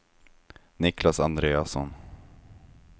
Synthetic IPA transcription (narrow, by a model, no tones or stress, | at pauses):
nɪklasand̪ɾeːasɔ̰n